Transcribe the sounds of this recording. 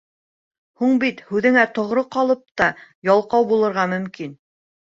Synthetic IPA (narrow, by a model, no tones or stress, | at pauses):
huɴbit̪hʉðɘ̆ŋæt̪ŏʁɾɤqɑlˠɤp̚t̪ɑjɑlˠqɑwbulˠɤ̆ɾʁɑmɵ̆mkin